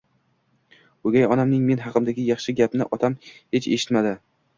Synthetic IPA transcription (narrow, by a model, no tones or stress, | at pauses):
oɡʲajɒnamnɪŋme̞nɦɑqɨmd̪aɡʲɪjɑχʃɪɡʲapnɪʔɒt̪ʰamhet͡ʃe̞̰ʃɪ̥t̪mad̪ɪ